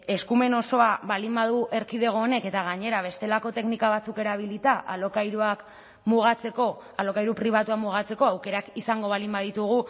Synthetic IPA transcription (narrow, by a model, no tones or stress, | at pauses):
e̞skume̞no̞so̞aβalimbaðuʔe̞ɾkið̞e̞ɣ̞o̞ːne̞ke̞t̪aɣ̞aɲe̞ɾaβ̞e̞st̪e̞lako̞t̪e̞knikaβ̞at͡suke̞ɾaβ̞ilit̪aʔalokajɾuak | muɣat͡se̞ko̞ | alo̞kajɾupɾiβ̞at̪uakmuɣat͡se̞ko̞awke̞ɾakisaŋɡo̞β̞alimbaðit̪uɣ̞u